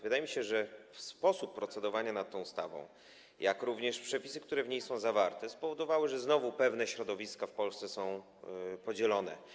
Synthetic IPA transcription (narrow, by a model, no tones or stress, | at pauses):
vɘd̪ajɛmʲiɕɛʐɛfspɔsupːɾɔt̪sɛd̪ɔvaɲanat̪̚ːɔ̃w̃st̪a̰vɔ̰̃w̃ | jakɾuvɲɛʂpʂɛpʲi̥sɘkt̪uɾɛvɲejsɔ̃w̃zavaɾt̪ɛspɔvɔd̪ɔvawɘʐɛznɔvupɛvn̪ɛɕɾɔd̪ɔvʲiskafpɔlst̪sɛsɔ̃w̃ | pɔd͡ʑɛlɔnɛ̰